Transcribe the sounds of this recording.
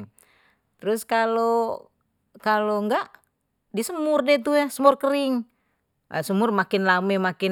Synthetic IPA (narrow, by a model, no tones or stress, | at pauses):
ŋ | t̪əɾuskalo | kaloŋɡaʔ | disəmurdɛt̪̬ujasəmɔrkəɾiŋ | a̰səmurmakinlamɛmaki